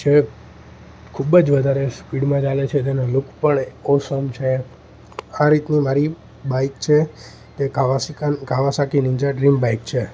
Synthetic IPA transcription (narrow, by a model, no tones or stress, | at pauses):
t͡ʃʰe | kʰubd͡ʒʋəd̪ʱaɾespiɽmãt͡ʃalet͡ʃʰet̪enalukʰpəɳosəmt͡ʃʰe | aɾit̪nimaɾi | baikt͡ʃʰe | t̪eaʋaskanɡʱaʋasakinĩd͡ʒaɖɾimbaikt͡ʃʰe